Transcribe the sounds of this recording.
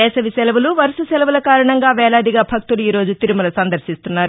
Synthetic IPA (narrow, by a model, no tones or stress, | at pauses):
ɛːsɐʋisɛlɐʋuluʋɐɾususɛlɐʋulɐkaːɾɐɳɐŋɡaːʋɛːɭaːd̪iɡaːbʱɐk̚t̪uluiːɾo̞ːd͡ʒut̪iɾumɐlɐsɐnd̪ɐɾʃist̪unːaːɾ